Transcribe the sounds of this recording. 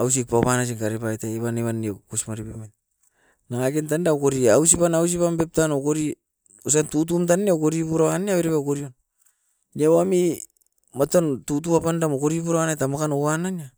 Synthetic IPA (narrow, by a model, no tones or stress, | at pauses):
aws̬ik̚papanas̬iŋkaɾepajtaiβaneβanekusmaɾipeman | naŋakent̬andaokoɾiaus̬ipanaws̬ipambep̚tanokoɾi | os̬antut̬umt̬anːeokoɾipuɾaaneaβeɾepaokoɾion | niawami | matantut̬uapandamokoɾipuɾawanatamakanoanania